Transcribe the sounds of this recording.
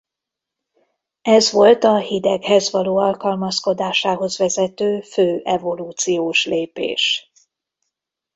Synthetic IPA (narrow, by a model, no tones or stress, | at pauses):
ɛzvo̞lt̪ɒhid̪ɛɡhɛzvɒloːɒlkɒlmɒsko̞d̪aːʃaːɦo̞zvɛzɛt̪øːføːʔɛvo̞luːt̪sijoːʃleːpḛːʃ